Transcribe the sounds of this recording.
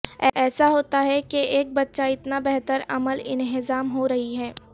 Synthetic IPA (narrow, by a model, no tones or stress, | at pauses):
ɛɛːsaɦoːt̪aɦɛkeeːk̚bɐtːʃaɪt̪nabɛɦt̪əɾɐməlɪ̃nɦɪzaːmɦoɾɐɦiɦɛː